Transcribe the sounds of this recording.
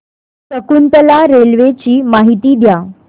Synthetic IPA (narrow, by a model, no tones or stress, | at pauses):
səkunt̪əlaɾelʋet͡ɕiːmaɦit̪iːd̪ja